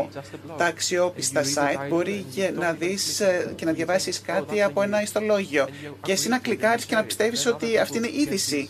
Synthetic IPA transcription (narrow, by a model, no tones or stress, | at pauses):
t̪ɐːksio̞pist̪ɐsɐjt̪bo̞ɾinɐðisce̞nɐðʝɐvɐsiskɐt̪iɐpoe̞nɐist̪o̞lo̞ʝio̞ce̞sinɐklikɐɾisce̞nɐpi̥st̪e̞viso̞t̪iɐft̪iine̞ʔiðisi